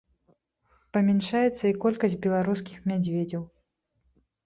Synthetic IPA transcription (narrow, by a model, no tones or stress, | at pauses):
pɐmʲɛnʂajɛt̪sːɐikɔlʲkɐsʲtʲbʲɛlˠaɾus̬kʲixmʲad͡zʲvʲed͡zʲɐw